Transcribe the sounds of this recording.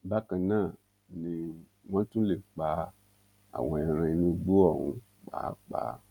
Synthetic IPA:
ba˦kã˨nãː˦˨ | nĩ˧ | w̃ã˦tũ˦le˦˨k͡pa˨˦ | a̰˨w̃ɔ̃˧ɛ˨ɾɛ̃˧˦nũ˧ɡ͡bo˦ɔ˦˨hṵ̃˨ | k͡pa̰ː˨˦k͡pa̰˨

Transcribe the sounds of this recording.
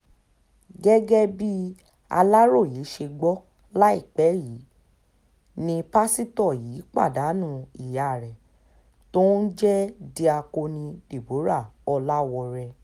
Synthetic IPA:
ɡɛ˦ɡɛ˦bi˦ | a˧la˦ɾo˦˨jiː˨˦ʃe˧ɡ͡bɔ˦ | la˦i˦˨k͡pɛ˨˦jiː˨˦ | nĩ˧pa˦si˦tɔ˦˨jiː˨˦k͡pa̰˦˨da˨˦nũ˦˨i˨ja˨ɾɛ˨ | tõ˦n̩˦d͡ʒɛ˦di˧a˧ko˧nĩ˧de˨bo˨˦ɾa˦˨ɔ˧la˦wɔ˧ɾɛ˧

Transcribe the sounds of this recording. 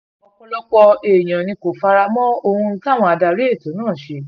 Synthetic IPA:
ɔ˧kɔ̃˧lɔ˦kɔ˧e˨j̃ã˨nĩ˧ko˨fa˧ɾa˧mɔ̃˦o˧hũ˧˦˧ka˦˨w̃ɔ̃˧a˧da˧ɾe˦e˦˨to˨˦nãː˦˨ʃe˧˦

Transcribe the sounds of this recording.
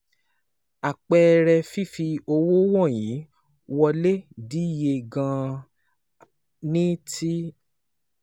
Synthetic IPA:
a˨k͡pɛ˧ɾɛ˧fi˦fi˧o˧wo˦wɔ̃˦˨jĩ˨˦ | wɔ˧le˦di˨˦˨je˧ɡã˧ | nĩ˦tʰi˦

